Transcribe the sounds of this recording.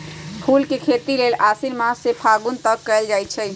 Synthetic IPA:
pʰulkekʰet̪ilelasiɾmassepʰaɡunt̪əkːəɪld͡ʒajt͡ʃʰɛ

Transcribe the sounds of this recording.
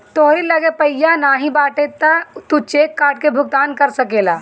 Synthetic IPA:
t̪oɦɾiləɡepəɪjanaːɦĩbaːʈet̪at̪ut͡ʃeːkːaːɾʈ̚kebʱʊɡ̚t̪aːnkəɾsəkeːlaː

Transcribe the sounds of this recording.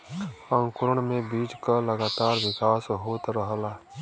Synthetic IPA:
ãŋkʊɾəɳmẽbiːd͡ʒkaləɡaːt̪aːɾwɪkaːsɦoːt̪ɾəɦlaː

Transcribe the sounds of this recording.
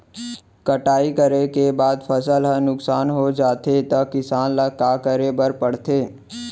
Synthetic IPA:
kəʈaːikəɾekebaːd̪pʰəsəlɦənʊksaːnɦod͡ʒaːt̪et̪ɐkɪsaːnlakaːkəɾebəɾpəɽt̪eː

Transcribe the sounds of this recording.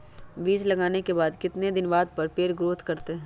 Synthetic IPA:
biːd͡ʒlɐɡaːnekebaːd̪kɪt̪ned̪ɪnbaːd̪̚pɐɾpeːɾɡɾoːt̪kɐɾt̪eɦɛ̃

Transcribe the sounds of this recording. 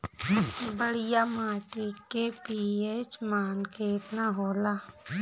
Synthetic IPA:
bəɽijamaːʈikepieːt͡ʃmaːnkeːt̪naɦoːlaː

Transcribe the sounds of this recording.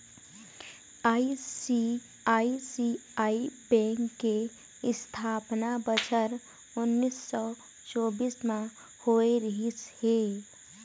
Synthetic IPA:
aisi | aːisiaːibɛ̃ːŋkːe | ɪst̪ʰaːpnabət͡ʃʰəɾ | ʊnːisːɔ | t͡ʃoːbiːsmã | hoːeɾəɦishe

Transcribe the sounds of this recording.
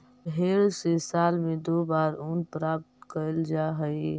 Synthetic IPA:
ɦeːɾsesaːlmẽd̪oːbaːɾʊnpɾaːp̚t̪kəld͡ʒaːɦəe

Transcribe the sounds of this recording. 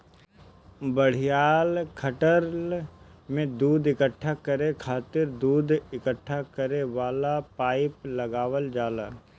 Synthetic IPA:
bəɽ̤ijaːlkʰəʈəɾ | mẽd̪uːd̪ɪkəʈʰːakəɾekʰaːt̪ɪɾd̪uːd̪ʱɪkəʈʰːakəɾeʋaːlapaːɪplɐɡaːʋəld͡ʒaːlaː

